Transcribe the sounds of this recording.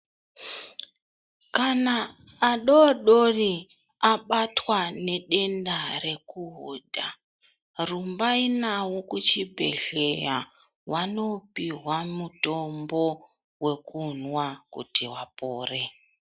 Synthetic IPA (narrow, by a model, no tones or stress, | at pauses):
kanaː | ɗoɗori | aɓatwane̞ɗe̞ndare̞kuɦodʱa | rumbainawokut͡ʃibʱe̞̰ɮe̞ja | wano̞piɦwamuto̞mbo̞ | we̞kunwakṵtiwapoːre̞